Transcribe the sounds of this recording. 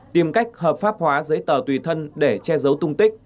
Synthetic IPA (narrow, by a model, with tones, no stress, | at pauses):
t̪i˨˩mka˦˥jk̟̚həː˨˩p̚faː˦˥p̚hwaː˨˦zəː˨˦jt̪əː˨˩t̪wi˨˩t̪ʰə˧nɗe˧˩t͡ɕɛ˧zə˨˦wt̪ʊ˧ŋ͡mt̪ï˦˥k̟̚